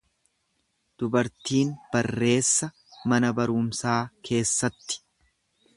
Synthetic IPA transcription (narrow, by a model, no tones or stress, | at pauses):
d̪̥ʊbɐɾt̪iːnb̥ɐrːe̞ːsːɐ | mɐnɐbɐɾʊmsaːkʰe̞ːsːɐt̪ːɪ̥